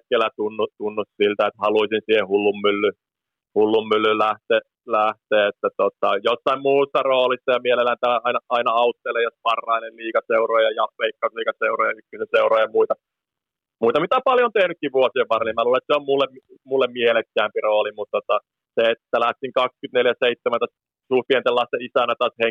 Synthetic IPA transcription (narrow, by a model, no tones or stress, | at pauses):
kːelæt̪unːut̪unːussilt̪æet̪hɑluisinsiːhehulːummylːy | hulːumːylːylæht̪e | læht̪eːet̪ːæt̪ot̪ɑjosːɑimmuːsːɑroːlist̪ɑjɑmielelːænt̪æɑinɑɑinɑɑut̪ːelejospɑrːɑinelliːkɑseuroːjɑjɑpːeikːɑsliːkɑseuroːjɑykːysenseuroːjɑmuit̪ɑ | muit̪ɑmit̪æpɑljont̪ehnykːiʋʋuosieʋʋɑrenimæluːlɑet̪seommulːemmmulːemmielekːæːmpiroːlimut̪t̪ːot̪ɑ | seett̪ːælæht̪iŋkɑkskyt̪neljæseit̪ːemænt̪os | suhpient̪elːɑst̪eisænːæt̪ɑshe